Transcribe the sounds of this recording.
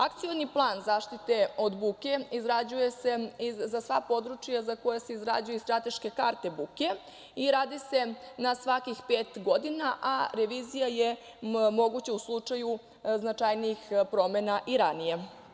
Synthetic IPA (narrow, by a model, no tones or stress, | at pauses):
akt̪sijo̞niplˠaːnzaːʃt̪it̪e̞o̞d̪buke̞izɾad͡ʑuje̞se̞izasʋapo̞d̪ɾut͡ʃijazako̞jase̞izɾa̰d͡ʑujeist̪ɾat̪e̞ʃke̞kaɾt̪e̞buke̞ | iɾaːd̪ise̞nasʋakixpeːt̪ɡo̞d̪inaʔaɾeʋizijaje | mo̞ɡut͡ɕauslˠut͡ʂaju | znat͡ʃajniixpɾo̞menaʔiɾanije